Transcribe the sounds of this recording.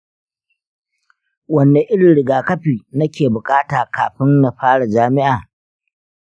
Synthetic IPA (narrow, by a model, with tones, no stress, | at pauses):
wɐ˨nːe˨ʔɪ˦ɽɪ˨ɽɪ˨ɡaː˨kɐ˦ɸiː˨nɐ˦kʲeː˨bʊ˨kʼaː˦taː˨ka̰ː˨ɸɪ˦nːa˨ɸaː˦ɽa˨d͡ʒaː˦mɪ˦ʔaː˨